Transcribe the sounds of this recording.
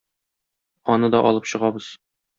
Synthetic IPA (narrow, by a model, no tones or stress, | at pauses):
ɒnɤd̪ɒʔɒ̰lˠɤpɕɤ̆ʁɑbɤz̥